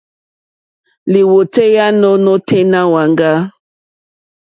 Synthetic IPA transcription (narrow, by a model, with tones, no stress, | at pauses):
li˨wo˨te˦ja˦nɔ˦nɔ˦tʰe˦na˦wa˨ŋɡa˦